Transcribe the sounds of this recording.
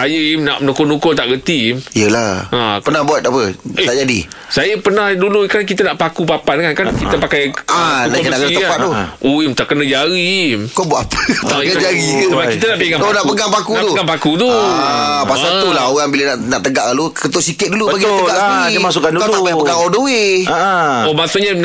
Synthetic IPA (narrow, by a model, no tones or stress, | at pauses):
ajəimnaʔnukonukot̪aʔɡət̪imijəlaãpənahbuat̪̚apəeaʔd͡ʒadḭsajəpənahdulukank̬it̪ənaʔpakupapaəŋankankit̪əpakajanakənakənaiəapat̪̚oʔoimt̪aʔkənəd͡ʒaɾikobuaʔapət̪aŋad͡ʒaɾibakit̪ənaʔpeŋat̪onaʔpəɡaŋpakut̪uapakut̪uapasat̪ulaoɣaŋbilənaʔnaʔt̪əɡaʔlalukət̪oʔsikɪt̪̚dulubbaɡit̪ɡaʔsədiimasʊkandukat̪aajpəɡaŋodowiaomasoʔɲə